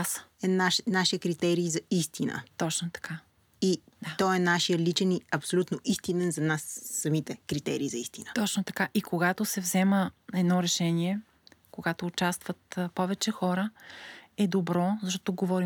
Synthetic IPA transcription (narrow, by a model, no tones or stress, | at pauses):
sɛnaʃnaʃiəkɾit̪ɛɾiːzɐist̪ʰinə̰t̪ɔt͡ʃnot̪ɐ̥ka | iɔɛnaʃijəlit͡ʃɛniɐpsolʲut̪noʔist̪inɛnzɐnasːɐmit̪ɛkɾit̪ɛɾiːzɐist̪inət̪ɔt͡ʃnot̪ɐkaʔikoɡat̪osɛvzɛməɛd̪nɔɾɛʃɛniɛ | koɡat̪oːt͡ʃast̪vət̪pɔvɛt͡ʃɛxɔɾə | ɛd̪obɾɔzɐʃt̪ɔ̥t̪oɡovɔɾi